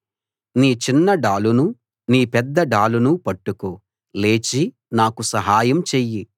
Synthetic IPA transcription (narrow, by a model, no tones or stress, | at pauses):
niːt͡ʃinːɐɖaːlunu | niːpɛd̪ːɐɖaːlunupɐʈːukoː | le̞ːt͡ʃi | naːkusɐɦaːjɐmt͡ʃeːjːi